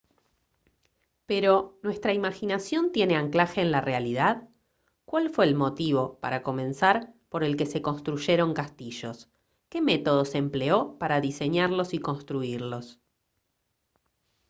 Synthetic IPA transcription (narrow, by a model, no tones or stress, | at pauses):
peɾo̞nwe̞st̪ɾaimaxinasjo̞nt̪je̞ne̞aŋklaxeːnlarealið̞að | kwalfwe̞ːlmo̞t̪iβo̞paɾako̞mẽ̞nsaɾpo̞ɾe̞lke̞se̞ko̞nst̪ɾuʒe̞ɾo̞ŋkast̪iʃo̞s | ke̞me̞t̪o̞ð̞o̞se̞mpleo̞paɾaðise̞ɲaɾlo̞siko̞nst̪ɾuiɾlo̞s